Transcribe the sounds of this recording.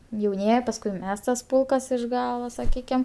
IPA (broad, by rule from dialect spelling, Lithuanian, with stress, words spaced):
jɛʊˈnʲiɛjɪ pɐsˈkʊɪ ˈmʲɛs tɐs ˈpʊlˠkɐs ɪʃ ˈɡɑːlˠoː sɐˈkʲiːkʲɪm